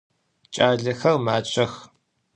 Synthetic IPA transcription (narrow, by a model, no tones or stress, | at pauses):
t͡ʃʼaːɮɐxɐrmaːt͡ʃʷʰʼɐx